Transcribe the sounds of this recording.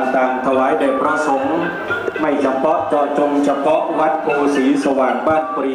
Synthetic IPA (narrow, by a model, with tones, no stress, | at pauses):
t̪aː˨˩ŋt̪ʰa˧waː˩˦jde˨˩k̚pɾa˧so˩˦m | ma˥˩jt͡ɕʰa˧mpʰɔ˦˥ʔt͡ɕɔː˨˧˩t͡ɕo˧ŋt͡ɕʰa˧pʰɔ˦˥ʔwa˦˥t̪̚kʰoː˧siː˩˦sa˧waː˨˩ŋpaː˥˩npɔ˧ɾi˧˩